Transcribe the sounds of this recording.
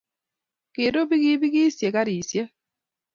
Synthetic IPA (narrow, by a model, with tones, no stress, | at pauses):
kɪ˨ɾo˦bi˦ɡi˦bi˦ɡi˦sje˨ka˦ɾi˨sje˦